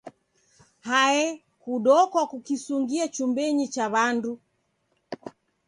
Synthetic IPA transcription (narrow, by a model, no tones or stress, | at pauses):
haɛ | kuɗɔkwakukisuŋɡiat͡ʃumbɛɲit͡ʃaβandu